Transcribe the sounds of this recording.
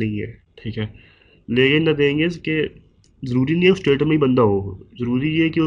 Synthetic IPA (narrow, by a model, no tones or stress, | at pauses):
ɐɦĩɦɛ̰ːʈʰiːkɦɛː | leːkɪnɐd̪eẽːŋɡeke | zɐɾuːɾinɐɦĩsʈeːʈmẽɦibɐ̃nd̪aɦoːzɐɾuːɾijeki